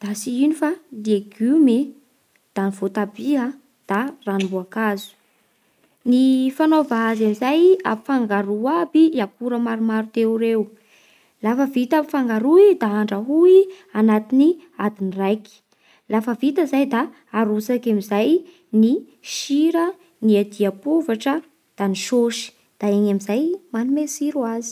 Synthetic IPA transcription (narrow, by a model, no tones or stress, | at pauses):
d̪̥asiinifad̪ieɡyme | d̪̥aniv̥ot̪abia | d̪̥aranimbuakazu̥ | nifanovaazamizaja̰pifaŋɡaɾuabiakuɾəmaɾumaɾut̪euɾew | lafəvit̪apifaŋɡaɾuid̪aaɳɖ͡ʐəɦui | anat̪iniad̪inirajki̥ | lafəvit̪əzajd̪aː | ɾusakamizaj | ni | ʃiɾə | niad̪iapuvaʈ͡ʂə | d̪̥aniʃoʃi̥ | d̪̥aeɲamizajmanimesiɾuazi̥